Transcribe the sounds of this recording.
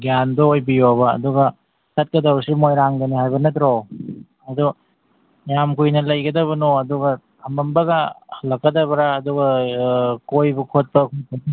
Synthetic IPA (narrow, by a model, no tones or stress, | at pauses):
ɡjandɐojbijobɐ̰ːduɡɐ | sɐt̚kɐdɐwsimojɾaŋdɐnihajbɐnɐt̪ɾow | ɐdu | jamkujnɐlɐjɡɐdɐβɐnoɐduɡɐ | t̪ʰɐmbɐmbɐɡɐlɐkːɐdɐbɐɾaːduɡɐ | kojbɐkʰot̚pɐkʰot̚pɐsi